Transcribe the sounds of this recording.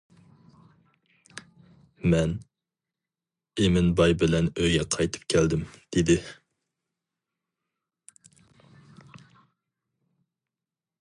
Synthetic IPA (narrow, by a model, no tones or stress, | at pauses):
mɛn | emɪnbɑjbɪlɛnøjɡʲɛqʰɑjt̪ʰɨ̥p̚kʲʰɛld̪ɪmd̪̥ɪd̪ɪ